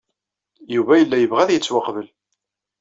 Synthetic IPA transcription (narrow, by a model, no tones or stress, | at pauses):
juvæjəlːæjəvʁæðjət͡sːwɑqvəl